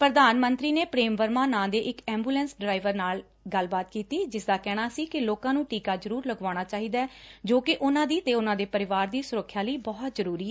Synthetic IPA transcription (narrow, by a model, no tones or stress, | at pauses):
pɾəd̪aːnmənt̪ɾiːneːpɾeːmʋəɾmãːnãːd̪eːʔɪkɛ̃ːmbuːlɛ̃ːnsɖɾaːɪʋəɾnaːl | ɡəlbaːt̪kiːt̪iːd͡ʒɪsd̪aːkɛːɽ̃aːsiːkɪloːkãːnũːʈiːkaːzəɾuːɾləɡaːɽ̃aːt͡ʃaːɦiːd̪aɛːd͡ʒoːkɪʔʊnãːd̪iːt̪eːʊnãːd̪eːpəɾɪʋaːɾd̪iːsʊɾəkʰːjaːləiːbɔːt̪zəɾuːɾiːɛ